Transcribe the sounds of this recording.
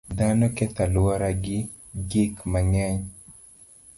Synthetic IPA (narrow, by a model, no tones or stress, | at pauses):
d̪anɔkɛt̪alwaɾaɡɪ | ɡikmaŋɛɲ